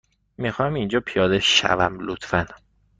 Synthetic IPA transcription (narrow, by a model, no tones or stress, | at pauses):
mixɒmind͡ʒɒːpʰijɒːd̪eʃæ̰væmlot̪fæn